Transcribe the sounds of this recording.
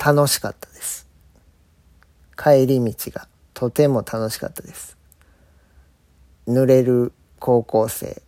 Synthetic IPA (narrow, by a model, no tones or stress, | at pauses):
t̪ʰano̞ɕi̥ka̰t̪ːḁd̪̥e̞sɨ̥ | kʰaeɾʲimʲit͡ɕiɡ̥a | t̪ʰo̞t̪e̞mo̞t̪ʰano̞ɕi̥ka̰t̪ːad̪e̞sɨ̥ | nɯ̟ɾe̞ɾɯ̟ | kʰo̞ːko̞ːse̞̰ː